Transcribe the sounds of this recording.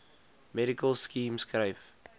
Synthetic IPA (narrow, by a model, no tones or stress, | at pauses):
mɛɾikəlskĩːmsɡɾeɪf